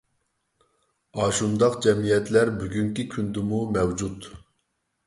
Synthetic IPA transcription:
ɑʃund̪ɑqd͡ʒɛmijɛt̪læɾbyɡʲyŋkʲikʲʰynd̪ɪmumɛwd͡ʒut̪

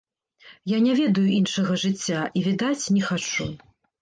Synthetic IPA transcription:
janʲɛvʲɛd̪ɐjuinʂɐɣɐʐɨt͡sʲːaʔivʲid̪at͡sʲnʲɛxat͡ʂu

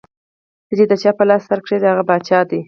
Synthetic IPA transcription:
kət͡ʃed̪ət͡ʃɑpəlɑst̪aɾkʂed̪əhaɣabɑt͡ʃɑd̪i

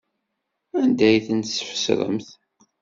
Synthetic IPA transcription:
ænd̪æjθənsə̥fə̥sɾə̰mθ

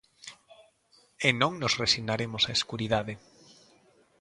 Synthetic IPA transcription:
enõŋnosresiɣnaɾemosaeskuɾið̞aðe

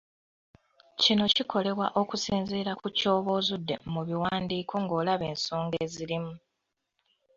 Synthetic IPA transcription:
cino̞cikʰo̞le̞βwaʔo̞kusiːnziːɾakuco̞ːβo̞ːzudːe̞̰muβiwaːndiːkʰo̞ŋɡo̞ːlaβe̞ːnso̞ːŋɡeːziɾimu

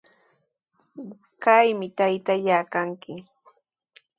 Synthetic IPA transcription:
kajmɪt̪ajt̪aʎaːkaŋkɪ

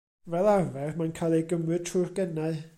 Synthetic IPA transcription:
vɛlˠarvɛrmankʰajlˠɛjɡəmwɨd̥̚tʰrʊrɡ̥ɛnaɨ

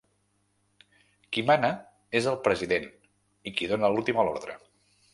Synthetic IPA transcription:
kimanə | ezəlˠpɾəziðen | ikiðonəlulˠt̪iməlo̰ɾðɾə̰

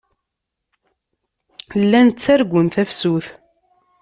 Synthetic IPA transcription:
əlːænt͡sːæɾɡʷʊnθæfsuθ

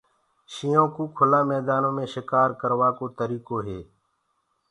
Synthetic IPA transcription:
ʃijõːkuːkʰʊlãːmɛːd̪aːnõːmẽːʃɪkaːɾkəɾʋaːkoːt̪əɾiːkoːɦeː

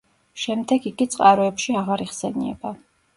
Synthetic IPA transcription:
ʃɛmd̪ɛɡiɡit̪sʼqʼaɾɔɛpʃiaʁaɾiʁsɛnḭɛ̰ba

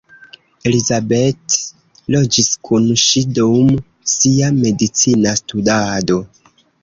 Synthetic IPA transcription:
e̞lizabet | lo̞d͡ʒiskʰunʃidom | siame̞dit͡sinastudado̞

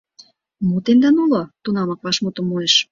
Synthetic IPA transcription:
mut̪emd̪ɑnulot̪unɑmɑk̚βɑʃmot̪ə̆mːoeʃ

